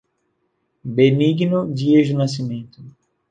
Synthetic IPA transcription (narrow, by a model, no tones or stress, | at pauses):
beniɡnud͡ʒieʒunas̬imẽnt̪ʊ